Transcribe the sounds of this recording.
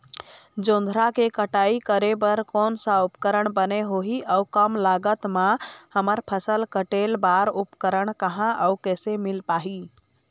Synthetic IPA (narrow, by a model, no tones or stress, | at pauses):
d͡ʒõnd̪ʱɾakekəʈaikəɾebəɾkonsãupkəɾəɳbəneɦoɦiʔəukəmlaɡət̪mãhəməɾpʰəsəlkəʈelbaɾupkəɾəɳkəɦãʔəukɛsemilpaɦi